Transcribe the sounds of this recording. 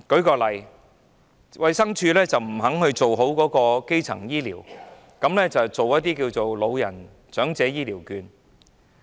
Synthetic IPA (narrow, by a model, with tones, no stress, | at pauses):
kɵ˨˥ɥkɔː˧lɐ˨j | wɐ˨˧jsɐ˥ŋt͡ʃʰyː˧lɛː˥t͡sɐ˨˩wm̩˨˩ɦɐ˨˥ŋhɵ˧ɥt͡so˨wɦo˨˥wkɔː˨˥kɔː˧ke˥jt͡sʰɐ̰˨˩ŋjiː˥liː˨˩w | kɐ˨˥mlɛː˥t͡sɐ˨˩wt͡so˨wjɐ˥t̚t̪iː˥kiː˧wt͡so˨wlo˨˧wjɐ̰˨˩n | t͡sœː˨˥ŋt͡sɛː˨˥jiː˥liː˨˩wkyː˨˧n